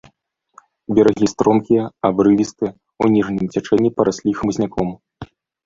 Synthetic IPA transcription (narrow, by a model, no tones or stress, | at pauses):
bʲɛɾaɣʲist̪ɾɔnkʲijɐabɾɨvʲist̪ɨ | unʲiʐnʲimt͡sʲat͡ʂɛnʲːipɐɾʔasʲlʲixmɨzʲnʲakɔm